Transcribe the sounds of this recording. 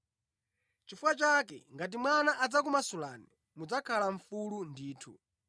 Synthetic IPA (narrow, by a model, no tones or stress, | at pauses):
t͡ʃifuwat͡ʃak̬ɛ̰ŋɡat̬imwanaʔad͡zak̬umasula̰ni | mud͡zakʰalaɱfulundiːtʰṵ